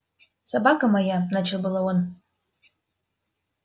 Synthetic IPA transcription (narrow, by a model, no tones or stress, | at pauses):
sabakʰʼamajanat͡ʃʰɨbɨlawan